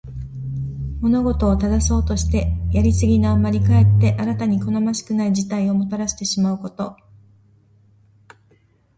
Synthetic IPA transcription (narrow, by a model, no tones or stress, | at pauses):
mo̞no̞ɡo̞t̪o̞ːt̪ad̪aso̞ːt̪o̞ɕi̥t̪e̞jaɾʲisɨɡʲinaːmaɾʲikae̞t̪ːe̞ʔaɾat̪aɲ̟iko̞no̞maɕi̥kɯ̟naid͡ʑit̪aio̞mo̞t̪aɾaɕi̥t̪e̞ɕimaɯ̟ko̞t̪o̞